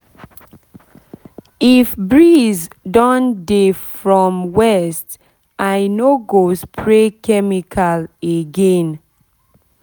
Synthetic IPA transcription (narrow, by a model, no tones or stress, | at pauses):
ifbɹizdɔ̃ndefɹɔ̃mwɛst | ʔajnoɡospʰɹekʰɛmikʰaleɡɛ̃n